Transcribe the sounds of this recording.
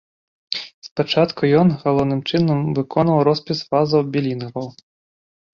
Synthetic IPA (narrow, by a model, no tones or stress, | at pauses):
spat͡ʂat̪kujɔnɣalˠɔwnɨmt͡ʂɨnɐmvɨkɔnvɐwɾɔspʲisfazɐwbʲilʲinɐvɐw